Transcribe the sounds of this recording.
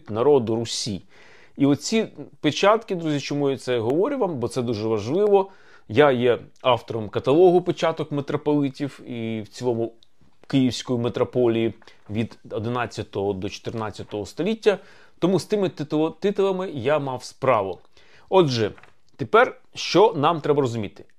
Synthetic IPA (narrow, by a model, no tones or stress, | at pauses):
t̪nɐɾɔd̪ʊɾʊsʲi | iɔt̪t͡sʲipet͡ʃɑt̪kɪd̪ɾuzʲit͡ʃɔmujʊsɛɦɔʋɔɾʲɪʋɑmbɔt̪sɛd̪uʒɛʋɐʒlˠɪʋɔ | jajɛɑwt̪ɔɾɔmkɐt̪ɐlˠɔɦʊpɪt͡ʃɑt̪ɔkmet̪ɾɔpɔlˠɪtʲiwiwt͡sʲilˠɔmʊ | kɪjiwsʲkɔjimet̪ɾɔpɔlʲiji | ʋʲid̪ɔd̪ɪnɑt͡sʲːɐt̪ɔɦɔd̪ɔt͡ʃɔ̥t̪ɪrnɑt͡sʲːɐt̪ɔɦɔst̪ɔlʲitʲːɐ | t̪ɔmust̪ɪmɪt̪t̪ˠt̪ɪt̪ɔlˠɐmɪjamɑwspɾɑʋʊ | ɔd͡ʒɛ | t̪epɛr | ʃt͡ʃɔnɑmt̪ɾɛbɐɾɔzʊmʲit̪ɪ̥